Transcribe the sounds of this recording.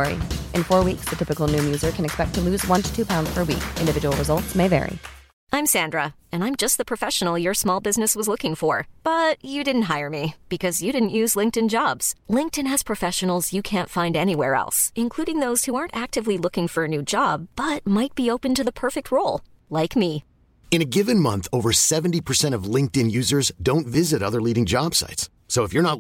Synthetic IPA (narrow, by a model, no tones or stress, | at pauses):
ɹḭʔɨ̃nfɔɹwiksðɨtʰɪpɨkl̩ˠnʉmjʉzə˞kʰɨ̃nɨkspɛk̚tʰɨlʉzwʌ̃ntʰɨ̥tʰʉpʰãʊ̃ndz̥pʰə˞wḭkʔɪ̃ndɨvɪd͡ʒəwl̩ˠɹɨzʌlˠtsmeɪvɛ̰ɹḭ | ãɪ̃msæ̃ndɹəɨ̃nãɪ̃md͡ʒʌst̪̚ðəpʰɹ̥ɨfɛʃn̩l̩ˠjə˞smɔlˠbɪznɨswʌzlʊkɪ̃ŋfə˞b̥ʌt͡ʃɨdɪdⁿn̩t̚ɦaɪə˞mib̥ɨkʰʌzjɨɾɪdⁿn̩ʔjʉzlɪ̃ŋktɨ̃nd͡ʒɑbz̥lɪ̃ŋk̚tɨ̃nɨz̥pʰɹ̥ɨfɛʃɨn̩l̩ˠzjɨkʰæ̃ntfãɪ̃ndɛñiwɛɹɛ̰lˠsɨ̃nkʰl̥uɾɪ̃ŋðoʊz̥huɑɹntæk̚tɨvlilʊkɪ̃ŋfə˞ɨnʉd͡ʒɑb̥ːʌt̚maɪt̚b̥ioʊpɨ̃ntɨðəpʰɜ˞fɨk̚t̚ʰɹoʊlˠ | laɪkmi | ɨ̃ñɨɡɪvɨ̃nmʌ̰̃nθoʊvə˞sɛṽn̩tipʰə˞sɛ̃ɾ̃ʌvlɪ̃ŋk̚tɨ̃njʉzə˞zdõʊ̃ntvɪzɨɾʌðə˞liɾɪ̃ŋd͡ʒɑb̥sa̰ɪtsː | oʊəfjə˞nət